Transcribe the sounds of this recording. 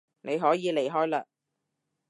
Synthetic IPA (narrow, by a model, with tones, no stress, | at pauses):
nʔe˨˧jɦɔː˨˥jiː˨˧le˨˩jɦɔː˥jlaː˧